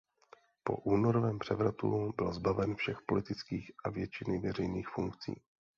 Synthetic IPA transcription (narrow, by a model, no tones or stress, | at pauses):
po̞̰ʔuːnoɾovɛːmpr̝̥ɛvɾat̪ṵbɪlzbavɛnfʃɛxpo̞lɪt̪ɪt͡skiːxʔavjɛt͡ʃɪnɪvɛrɛjniːxfuŋkt͡sḭː